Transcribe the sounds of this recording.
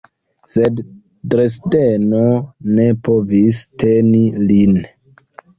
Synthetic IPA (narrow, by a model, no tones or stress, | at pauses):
sed | dɾesdenone̞povistenilin